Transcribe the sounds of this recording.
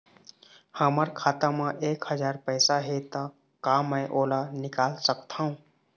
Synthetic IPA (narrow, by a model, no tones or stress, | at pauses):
həməɾkʰaːt̪amãʔeːkhəd͡ʒaːɾpəːsaɦet̪a | kaːmːəjʔoːlanɪkaːlsəkt̪ʰaːũː